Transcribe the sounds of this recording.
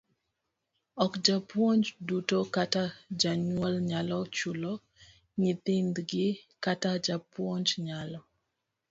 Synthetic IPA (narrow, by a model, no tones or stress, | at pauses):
ɔkd͡ʒapwɔnd͡ʒdutɔkatad͡ʒaɲwɔlɲalɔt͡ʃulɔ | ɲɪt̪ɪnd̪ɡɪkatad͡ʒapwɔɲd͡ʒɲalɔ